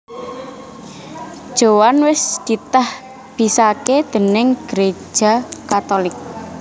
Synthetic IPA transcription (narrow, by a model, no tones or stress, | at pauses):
d̥ʒ̥owanwɪsd̪̥it̪ah | b̥i̤saked̪̥ə̤nɪŋɡ̥əɾe̥ʒ̥a̤kat̪olɪk̚